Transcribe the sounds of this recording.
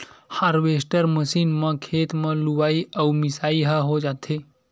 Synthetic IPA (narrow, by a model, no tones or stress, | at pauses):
haɾʋesʈəɾməsiːnmə̃kʰet̪mə̃luʋaiʔəwmisaiɦəɦod͡ʒat̪ʰe